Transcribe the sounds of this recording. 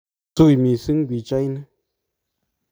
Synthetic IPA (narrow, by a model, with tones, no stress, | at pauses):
t͡su˦˨jmi˨sɨ˦ŋ̩˦ɡʷwi˨t͡ʃa˦jnə˦